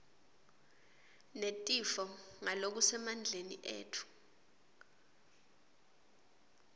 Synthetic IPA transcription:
netʼifɔŋalok̬usɛmand͡ɮʱenḭʔḛːtʰu̥

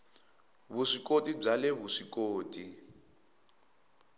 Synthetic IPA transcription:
βuʂikotʼib͡ʐalɛβuʂikoːtʼi

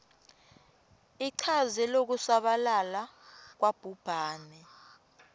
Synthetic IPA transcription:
iǀʰazɛlok̬usaɓalalak̬wab̥ʱub̥ʱaːnɛ

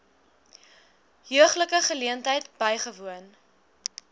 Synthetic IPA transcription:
jøəχləkəχəliəntɦəjtb̥əjχəvuən

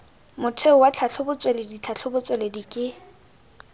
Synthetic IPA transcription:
mʊtʰeʊwat͡ɬʰaɬʰʊbʊt͡sʼweledit͡ɬʰaɬʰʊbʊt͡sʼweledikʼɪ

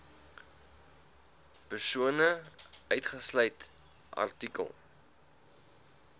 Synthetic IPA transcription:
pərsuənəʔœɥtχəslœjt | ʔɐ̰rtikə̰lˠ

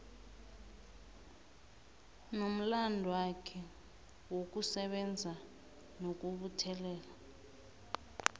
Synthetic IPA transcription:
nom̩landʱɔwakʰɛ | wok̬ʼusɛɓɛnd͡zʱa | nok̬ʼuɓutʰɛlɛːla

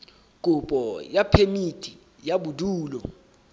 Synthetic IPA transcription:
k̬ʼub̥ʱʼɔjapʰemitʰʼi | jaɓudʱuːlɔ

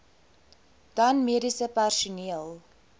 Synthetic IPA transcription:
d̥ɐnmiədisəpærʃuniəlˠ

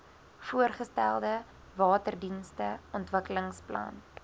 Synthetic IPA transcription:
fuərχəstælˠdə | vɑːtərdinstəɔntvəkələŋsplɐ̰n

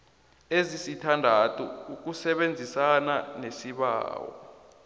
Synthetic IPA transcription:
ezisitʰandʱatʰʼuuk̬usɛɓend͡zʱisananesiɓa̰ːwɔ̰

